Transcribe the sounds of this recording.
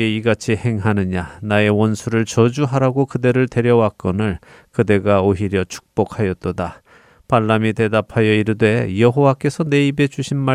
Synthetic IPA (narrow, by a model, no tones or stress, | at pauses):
eiɡat͡ɕʰihe̞ŋɦanɯɲanae̞wʌnsʰuɾɯɭt͡ɕʌd͡ʑuɦaɾaɡokɯde̞ɾɯɭte̞ɾjʌwak͈ʌnɯɭ | kɯde̞ɡaoɦiɾjʌt͡ɕʰu̥k̚p͈okʰhajʌt͈̚oda | paɭːamite̞dapʰajʌiɾɯdwe̞jʌɦowak͈e̞sʰʌne̞ibe̞d͡ʑuɕʰinma